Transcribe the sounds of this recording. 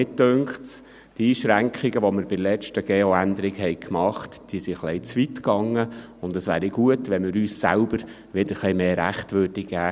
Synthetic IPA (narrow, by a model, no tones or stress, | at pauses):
ɪtdøŋkts | tiːʃɾæŋkʰχiɡəʋoməɾbɪlɛt͡ʃtəɡ̥eːoændəɾɪɡhɛɪkʰmɑχtd̥iːsiχlɛɪt͡sʋitkɑŋːə | ʊndəsʋæːɾiɡ̥uətʋɛnmɪɾyːsːæ̰lbəɾ | ʋɪdəχlimeːɾæχtʋød̥iɡæː